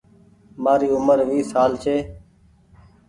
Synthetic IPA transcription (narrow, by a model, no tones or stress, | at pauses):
maːɾiːʊməɾʋiːsaːlt͡ʃʰeː